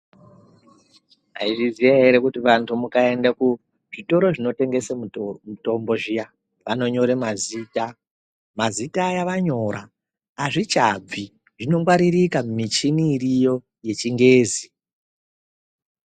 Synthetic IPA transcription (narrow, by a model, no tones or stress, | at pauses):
ɦaiʐizijaɦeɾekutiʋantʰumukae̞ndaku | ʐ̥ito̞ɾo̞ʐino̞te̞ŋɡe̞semuto̞mbo̞ʐija | ʋano̞ɲo̞ɾemaziːta | mazitajaʋaɲo̞ɾaː | ʐit͡ʃab͡vi | ʐ̥ino̞mɡwaɾirikamumit͡ʃiniːrijo̞ | je̞t͡ʃiŋɡe̞ːzi